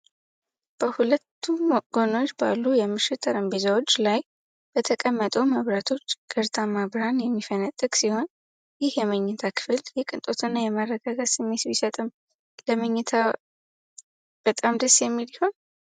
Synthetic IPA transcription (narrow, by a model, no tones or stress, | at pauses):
b̥əhulət̪ʰːumoɡono̞t͡ʃːbalːujɛmɨʃɪt̪ʰəɾəmbezawo̞t͡ʃːlaj | b̥ət̪ʰəkʼəmːət̪ʼəwməβɾat̪ʰo̞t͡ʃːɡ̥əɾt̪ʰamaβɾanjɛmːifənat̪ʼːɨkʼsiho̞n | jɪhjɛməɲːɛt̪ʰakʰɨ̥fɨljɛkʼɨnt̪ʼo̞t̪ʰɨnːajɛmarːəɡaɡat̪sɨmːe̞t̪misət̪ʼɨm | ləməɲːɪt̪ʰa | b̥ət̪ʼamd̪əsːjɛmːiliho̞n